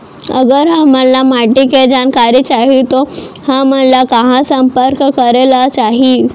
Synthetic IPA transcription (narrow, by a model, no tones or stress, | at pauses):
ə̰ɡəɾɦãməlamaʈiked͡ʑankaɾit͡ɕaɦit̪o | hãməlakaɦãsəmpəɾkkəɾelat͡ɕaɦi